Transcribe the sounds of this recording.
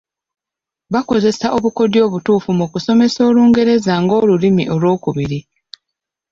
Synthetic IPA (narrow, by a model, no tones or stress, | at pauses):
βako̞ze̞saʔoβuko̞djo̞ːβutuːfumukuso̞me̞so̞ːluːŋɡe̞ɾe̞zaŋɡo̞ːlulimiʔo̞lwo̞ːkuβiɾi